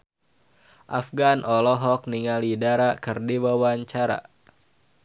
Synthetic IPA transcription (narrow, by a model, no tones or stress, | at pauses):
ʔafɡanʔɔlɔɦɔk̚niŋalidaɾakɨrdiwawaɲt͡ʃaɾa̰